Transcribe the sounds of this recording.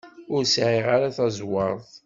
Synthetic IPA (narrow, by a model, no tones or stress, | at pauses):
ʊɾsʕiʁaɾaθæzwɑɾˤθ